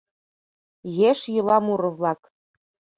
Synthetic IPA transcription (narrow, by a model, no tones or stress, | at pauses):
jeʃjɤlɑmuɾɤ̆vlɑk